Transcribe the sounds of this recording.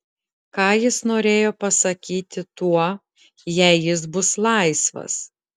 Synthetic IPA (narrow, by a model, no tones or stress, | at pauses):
kɑːjɪsnoːɾʲeːjoːpɐsɐkʲiːt̪ʲɪt̪uɔ | jɛɪjɪs̬bʊslˠɑɪsʋɐ̰s